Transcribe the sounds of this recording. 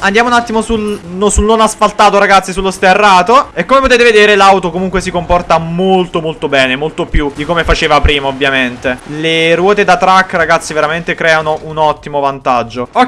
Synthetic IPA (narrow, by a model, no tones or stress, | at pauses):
and̪jaːmounat̪ːimosulnosulnonasfalt̪aːt̪oɾaɡat̪sːisulːost̪erːaːt̪oekːomepot̪eːt̪̬eved̪eːɾelawt̪okomuŋkwesikompɔrt̪amolt̪omolt̪obɛːnemolt̪opjud̪ikomefat͡ʃeːvapɾiːmaovːjament̪elerwɔːt̪ed̪at̪ɾakːraɡat̪sːiveɾament̪ekɾɛːanoʔunɔt̪ːimovant̪ad͡ʒːoo